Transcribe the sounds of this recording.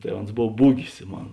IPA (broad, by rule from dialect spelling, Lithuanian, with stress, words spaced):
tɐɪ ˈoːns ˈboːw ˈbuːɡʲɪs ˈmoːn